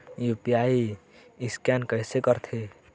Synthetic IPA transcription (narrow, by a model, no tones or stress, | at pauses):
jupijai | iskankəɦsekəɾt̪ʰe